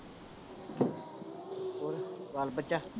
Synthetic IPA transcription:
oɾʋaːlbətt͡ʃa

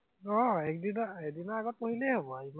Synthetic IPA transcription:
ɔɛkdinɔɛkdinɔaɡɔt̚poɦilɛɦobɔaim

